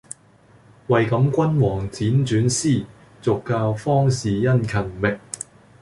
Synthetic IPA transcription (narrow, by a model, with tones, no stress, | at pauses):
wɐ˨jkɐ˨˧˥mkʷɐ˥nwɔː˨˩ŋt͡siː˨˥nt͡ʃyː˨˥nsiː˥˩ | t͡sʊ˨kːaː˧wfɔː˥ŋsiː˨jɐ˥nkʰɐ˨˩nmɪ˨k̚